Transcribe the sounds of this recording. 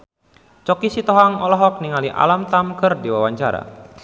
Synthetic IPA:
t͡ʃɔkisit̪ɔɦaŋɔlɔɦɔk̚niŋaliʔa̰lamt̪amkərdiwawaɲt͡ʃaɾa̰

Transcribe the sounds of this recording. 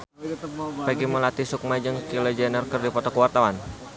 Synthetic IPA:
pɛɡiməlat̪isuk̚mad͡ʒəŋkilɛd͡ʒanərkɨrdipɔt̪ɔkəwart̪awan

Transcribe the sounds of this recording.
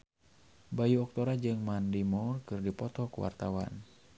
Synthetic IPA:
bajuɔk̚t̪ɔɾad͡ʒɨŋmandimɔrkɨrdipɔt̪ɔkṵwa̰rt̪awa̰n

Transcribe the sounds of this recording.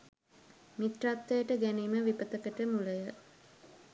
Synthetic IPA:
miʈrat̪ːəjəʈəɡæniːməʋipət̪əkəʈəmuləjə

